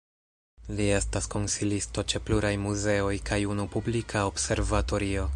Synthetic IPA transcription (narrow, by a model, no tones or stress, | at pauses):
lie̞stasko̞nsilisto̞t͡ʃe̞pluɾajmuze̞o̞jkʰajunupublikʰaobse̞ɾvato̞ɾio̞